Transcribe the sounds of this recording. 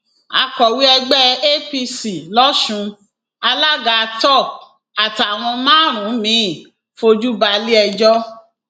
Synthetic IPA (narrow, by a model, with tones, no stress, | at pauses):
a̰˨˦kɔ˨wi˦ɛ˧ɡ͡bɛ˦e˦pi˧si˨lɔ˦ʃũ˧ | a˧la˦ɡa˧tɔ˦˨ | a˨ta˨w̃ɔ̃˧mãː˦ɾ̃ũ˨˦mĩ˨˦˨ | fo˧d͡ʒu˦ba˧li˦ɛ˧d͡ʒɔ˦